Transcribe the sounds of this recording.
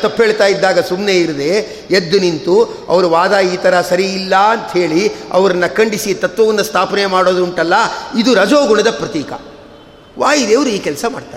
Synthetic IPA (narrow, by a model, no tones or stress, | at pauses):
t̪ɐpːɦeːɭt̪aːjid̪ːaːɡɐsumne̞ːiɾud̪e | ed̪ːunint̪u | ɐ̰ʋɐɾuʋaːd̪aːiːt̪ʰɐɾɐsɐɾiːlːɐɐnt̪ɐɦe̞ːɭiɐ̰ʋɐɾɐnːɐkɐɳɖisit̪ɐt̪ʋɐʋɐnːust̪ʰaːpɐnemaːɽo̞ːd̪uɳʈɐlːɐid̪uɾɐd͡ʒoːɡuɳɐd̪ɐpɾɐt̪iːkɐ̰ | ʋaːjid̪eːʋɐɾuiːkɛlsɐma̰ːɽt̪aː